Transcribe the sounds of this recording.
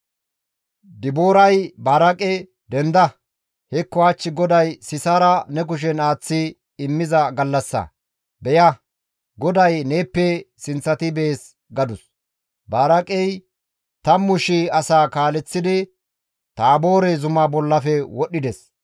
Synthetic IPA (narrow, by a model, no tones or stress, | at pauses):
d̪ɪbo̞ːɾɐjbaːɾɐkʼɛ | d̪ɛnd̪ɐ | hɛkːɔat͡ʃːɪɡɔd̪ɐjsɪsaːɾɐnɛk̬ʊʃ̬ɛnaːt͡sːɪ | ɪmːɪzɐɡɐlːɐsːɐ̰ | bɛjɐ | ɡɔd̪ɐjne̞ːpːɛsɪnt͡sːɐt̪ɪbɛːs | ɡɐd̪ʊs | baːɾɐkʼɛj | t̪ɐmʊʃɪɐsaːkaːlɛt͡sːɪd̪ɪ | t̪aːbo̞ːɾɛzʊmɐbɔlːɐfɛwɔɗːɪd̪ɛs